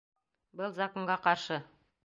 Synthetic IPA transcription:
bɤlˠzakoɴɢɑqɑɾʃɤ

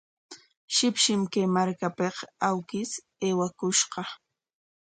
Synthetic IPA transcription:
ʃɪpʃɪmkajmaɾkapeqawkɪs | eːwakʊʃqɑ

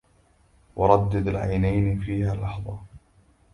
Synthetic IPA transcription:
wɑɾˤɑd̪ːad̪alʕa̰jnajnfiːhaːlːɑħðˤɑ

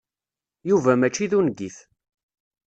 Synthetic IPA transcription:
juvæmæt͡ʃːiðunɡiθ

